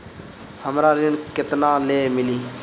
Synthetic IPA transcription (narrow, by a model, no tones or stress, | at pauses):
həmɾaːɾɪɳkɪt̪naːleːmɪliː